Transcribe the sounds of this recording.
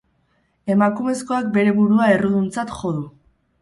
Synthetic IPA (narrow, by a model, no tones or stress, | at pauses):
e̞makume̞sko̞ak̚be̞ɾe̞βuɾuae̞ruðunt͡sat̪ʝo̞ðu